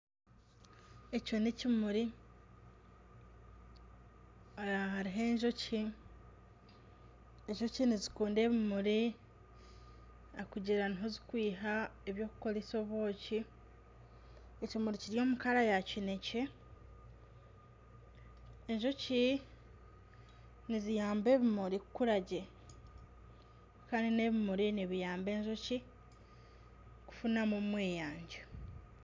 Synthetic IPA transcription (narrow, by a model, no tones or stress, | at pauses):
econecimuɾi | aaɦaɾiɦe̞ːɲʒo̞ci | eɲʒo̞cinizikuːnde̞ːβimuɾi | akuɟiɾaniɦo̞zikwiːɦaeβjo̞ːku̥ko̞ɾiso̞βo̞ːci | ecimuɾiciɾjo̞ːmukaɾajacine̞ce | eɲʒo̞ci | nizijaːmbe̞ːβimuɾikukuɾaɟe | kaːndine̞βimuɾiniβijaːmbe̞ːɲʒo̞ci | ku̥funamumweːjaːɲɟa